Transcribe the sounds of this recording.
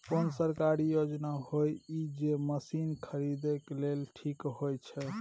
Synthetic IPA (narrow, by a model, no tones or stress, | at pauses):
ponsəɾkaɾijod͡ʒnaɦojid͡ʒeməsinkʰəɾid̪ekelelʈʰikɦojt͡ʃʰɛ